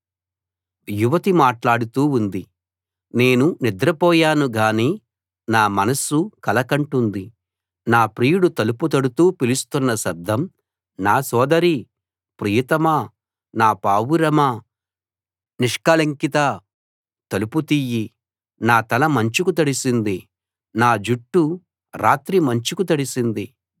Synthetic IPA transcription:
juʋɐt̪imaːʈlaːɽut̪uːund̪i | ne̞ːnunid̪ɾɐpɔːjaːnuɡaːniː | naːmɐnɐsukɐlɐkɐɳʈund̪i | naːpɾiːjuɽut̪ɐluput̪ɐɽut̪uːpilust̪unːɐsɐd̪ʱːɐm | naːsɔːd̪ɐɾi | pɾijɐt̪ɐmɐ | naːpaːʋuɾɐmɐ | niʂkɐlɐŋkit̪ɐ | t̪ɐluput̪iji | naːt̪ɐlɐmɐɲt͡ʃukut̪̬ɐɽisind̪i | naːd͡ʒuʈːu | ɾʔaːt̪ɾimɐɲt͡ʃukut̪ɐɽisind̪i

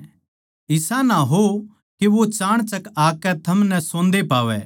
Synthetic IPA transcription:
ɪsãnaɦo | keʋot͡ʃaːɽ̃t͡ʃɐkaːkɛt̪ʰɐmnɛsõːnd̪epaːʋɛ̰ː

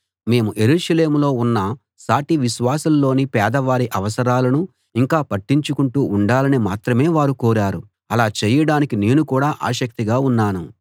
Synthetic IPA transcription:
me̞ːmuʔe̞ɾuːʂɐle̞ːmulo̞ːunːɐ | saːʈiʋiʃʋaːsɐlːo̞ːnipɛːd̪ɐʋaːɾiʔɐʋɐsɐɾaːlɐnu | iŋkaːpɐʈːiɲt͡ʃukuɳʈuːuɳɖaːlɐnimaːt̪ɾɐme̞ːʋaːɾukoːɾaːɾu | ɐlaːt͡ʃɛjɐɽaːnikine̞ːnukuːɽaːʔa̰ːʃɐk̚t̪iɡaːunːaːnu

